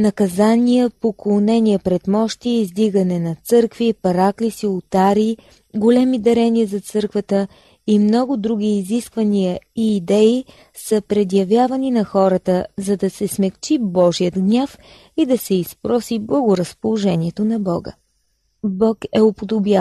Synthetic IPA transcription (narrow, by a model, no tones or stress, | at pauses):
nɐkɐzanijəpoklˠonɛniəpɾɛt̪mɔʃt̪iːzd̪iɡənɛnɐt̪sɤɾkvipɐɾaklisiʊt̪aɾi | ɡolɛmid̪ɐɾɛniəzɐt̪sɤɾkvət̪ə | imnɔɡʊd̪ɾuɡ̟ʲiːziskvənijəiːd̪ɛi | səpɾɛd̪jɐvjavɐninɐxɔɾət̪əzɐd̪ɐsɛsmɛkt͡ʃibɔʒijəd̪ɡnʲaf | id̪ɐsɛispɾɔsiblˠəɡʊɾəspolˠoʒɛnʲiɛt̪onɐbɔɡə̰ | bɔkɛʊpod̪obja